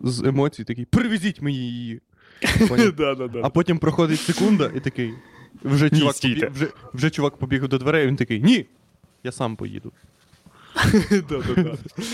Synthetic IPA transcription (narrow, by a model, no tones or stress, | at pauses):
zemɔt͡sʲijit̪ɐkɪjpɾɪʋʲɪzʲitʲmɔjijji | d̪ad̪ad̪ɐpɔtʲimpɾɔxɔd̪ɪtʲsekund̪ɐʔit̪ɐkɪjwʒɛt͡ʃʊakwʒɛwʒɛt͡ʃʊʋakpɔbʲiɣwd̪ɔd̪ʋeɾɛʋʲint̪ɐkɪjnʲi | jasɑmpɔ̰jḭd̪ʊ | d̪aa